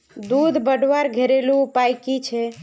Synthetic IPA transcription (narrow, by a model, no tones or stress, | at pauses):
d̪ud̪bəɖʋaɾɡʱeɾeluːpajkit͡ʃʰɛ